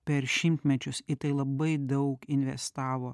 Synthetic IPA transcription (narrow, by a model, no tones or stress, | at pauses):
pʲɛɾʃʲɪmʲt̪ʲmʲɛt͡ʃʲʊsɪt̪ɐɪlˠɐbɐɪd̪ɐʊkɪnʲʋʲɛ̰st̪ɑːʋoː